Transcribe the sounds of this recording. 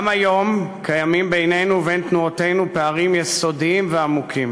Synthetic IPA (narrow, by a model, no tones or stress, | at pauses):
majo̞mkʰajamimbejne̞jnuvejnt̪nuat̪e̞jnupeaʁimjeso̞diimveamukʰim